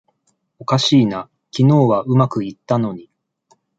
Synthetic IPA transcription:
o̞kaɕiːna | kʲino̞ːβaʔɯ̟makɯ̟it̪ːano̞ɲ̟i

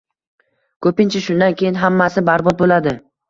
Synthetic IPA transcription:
kʰɵpɪnt͡ʃʰaʃʊnd̪ankʲʰejɪnɦamːasɪbaɾbɒt̪̚bolad̪ɪ

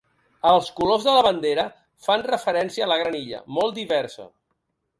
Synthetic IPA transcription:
əlˠskulozðələβənd̪eɾə | fanrəfəɾɛnsiəːləɣ̞ɾəniʎə̰mɔlˠt̪d̪iβɛɾsə̰

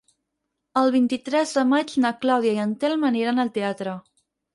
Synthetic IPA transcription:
əlˠβ̞int̪it̪ɾɛzðəmad͡ʒnəklawðjaiənt̪ɛlməniɾanəlˠt̪eat̪ɾə

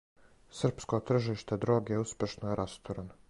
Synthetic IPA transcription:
sr̩pskot̪r̩ʒiːʃt̪ed̪ɾo̞ːɡeuspʲjeʃnojeɾʔast̪oɾano

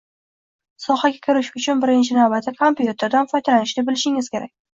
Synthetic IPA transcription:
sɒhaɡʲakʲʰʊɾɪʃʊt͡ʃʰʊnbɪɾɪnt͡ʃʰɪnawbat̪ʰːakʰompjut̪ʰe̞ɾd̪anfɒjd̪alanɪʃlɪbɪlɪʃɪŋɪz̥kʲʰe̞ɾa̰kʲ

